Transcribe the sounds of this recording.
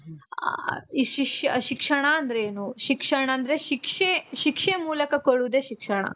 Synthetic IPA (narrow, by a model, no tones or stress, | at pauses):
iʃikɐʃikʂɐɳɐːnd̪ɐɾeeːnuʃikʂɐɳɐːnd̪ɐɾeʃikʂeʃikʂemuːlɐkɐkoɭud̪eːʃikʂɐɳɐ̰